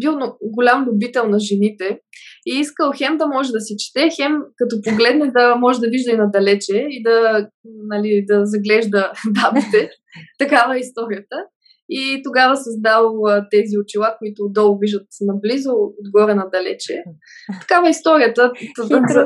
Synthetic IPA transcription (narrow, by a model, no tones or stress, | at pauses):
bilˠnɡolʲamlʲʊbit̪ɛlˠnɐʒɛnit̪ɛiiskəlˠxɛmd̪ɐmɔʒɛd̪ɐsɛt͡ʃi̥t̪ɛxɛmkɐt̪ɔpoɡlɛd̪nɛd̪ɐmɔʒɛd̪ɐviʒd̪əinɐd̪ɐlɛt͡ʃɛid̪ɐnɐlid̪ɐzɐɡlɛʒd̪əbabit̪ɛ | t̪ɐkavəist̪ɔɾijət̪ə | it̪oɡavəsɐzd̪alˠət̪ɛziot͡ʃilˠakoit̪ʊd̪ɔlˠviʒət̪nɐblizood̪ɡɔɾɛnɐd̪ɐlɛ̰t͡ʃɛ̰ | t̪ɐ̥kavəist̪ɔɾijət̪ət̪